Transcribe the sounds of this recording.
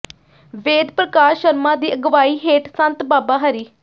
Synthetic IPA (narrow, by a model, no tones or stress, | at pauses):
ʋeːd̪pɾəkaːɾʃəɾmãːd̪iːʔəɡəʋaːiːɦeːʈsənt̪baːbaːɦəɾiː